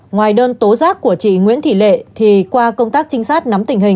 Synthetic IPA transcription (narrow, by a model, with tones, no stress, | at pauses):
ŋwaː˨˩jɗəː˧nt̪o˨˦zaː˦˥k̚ku˧˩ət͡ɕḭ˧˨ŋwḭ˧˥ənt̪ʰḭ˧˨lḛ˧˨t̪ʰi˨˩kwaː˧kə˧wŋ͡mt̪aː˦˥k̚t͡ɕï˧ŋ̟saː˦˥t̚na˨˦mt̪ï˨˩ŋ̟ɦï˨˩ŋ̟